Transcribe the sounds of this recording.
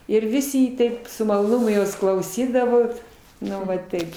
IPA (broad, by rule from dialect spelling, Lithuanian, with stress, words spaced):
ɪr ˈʋʲɪsʲɪ ɪ ˈtɐɪp sʊ mɐlˠoːˈnʊmʊ ˈjoːs klˠɐʊˈsʲiːdɐʋoːt ˈnʊ ʋɐ ˈtɐɪp